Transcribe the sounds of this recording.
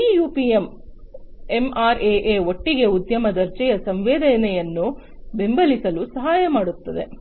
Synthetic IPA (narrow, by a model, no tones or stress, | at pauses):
iːjuːpiem | e̞maːɾeːʔeːo̞ʈːiɡe̞ud̪jɐmɐd̪ɐɾt͡ʃɛjɐsɐmʋɛːd̪ɐnɛjɐnːu | be̞mbɐlisɐlusɐɦaːjɐmaːɽut̪ːɐd̪e̞̰